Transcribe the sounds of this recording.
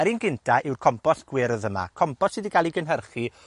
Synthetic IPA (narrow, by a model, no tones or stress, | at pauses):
əɾinɡɪntʰaʔɪwrkʰɔmpɔɬɡ̥wɪɾɔðəma̰kʰɔmpɔsidiɡalˠiɡənɦərχi